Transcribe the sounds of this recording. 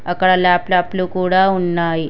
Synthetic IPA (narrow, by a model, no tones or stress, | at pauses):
əkɽalaːplaːplukuɽaunːaj